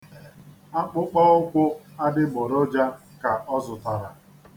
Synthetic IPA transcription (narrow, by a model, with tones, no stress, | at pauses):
a˦k͡pʊ˦k͡pɔ˦ʊ˦kʷʊ˦a˦dɪ˦ɡ͡bɔ˨ɾɔ˦d͡ʒa˦ | ka˨ʔɔ˦zʊ˨ta˨ɾa˨